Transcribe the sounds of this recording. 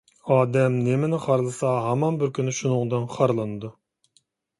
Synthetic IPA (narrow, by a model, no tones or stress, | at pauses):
ɑːd̪ɛmnemɪnɪχɑɾlˠɨsɑɦɑmɑnbɪɾkʲʰynɪʃunɨŋd̪ɨnχʰɑɾlˠɨnɨd̪u